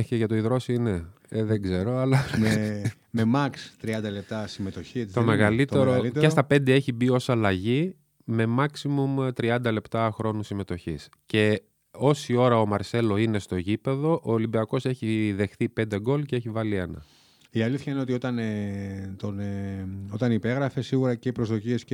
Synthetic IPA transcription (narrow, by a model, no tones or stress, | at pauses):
çeʝɐt̪o̞iðɾo̞sine | eðeɡze̞ɾo̞ɐlɐme | me̞mɐkst̪ɾiɐnd̪ɐle̞p̚t̪ɐsimet̪o̞çieit̪omeɣɐlit̪eɾolitest̪ɐpe̞nd̪ee̞çibio̞sɐlɐʝi | me̞mɐksimumt̪ɾiɐnd̪ɐle̞pt̪ɐxɾo̞nusime̞t̪o̞çis | ce̞ | o̞sio̞ɾɐomɐɾse̞lo̞ine̞st̪o̞cipe̞ðo̞ʔoːlimbiɐko̞se̞çiðe̞xθipe̞nd̪e̞ɡo̞lceeçivɐlie̞nɐ̰ | iɐliθçɐineot̪io̞t̪ɐnet̪oneo̞t̪ɐnipe̞ɣɾɐfe̞siɣuɾɐceipɾozðocies